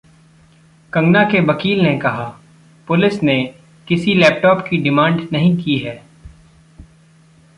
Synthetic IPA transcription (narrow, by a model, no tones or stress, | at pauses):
kɐ̃ŋɡnakeʋɐkiːlnekɐɦa | pʊlɪsne | kɪsilɛːp̚ʈɔːpkiɖɪmãːɳɖnɐɦĩkiɦɛː